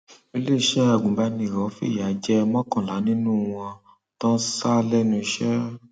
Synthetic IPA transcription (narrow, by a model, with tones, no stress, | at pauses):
e˧le˦˨ʃɛ˦a˦˨ɡũ˨˦ba˧nĩ˧˨ɾɔ̃˨˦fḭ˦˨ja˨˦d͡ʒɛ˦mɔ̃˦kɔ̃˦˨la˨˦nĩ˦nũ˦w̃ɔ̃˧ | tɔ̃˦sa˦lɛ˦nũ˧i˧ʃɛ˦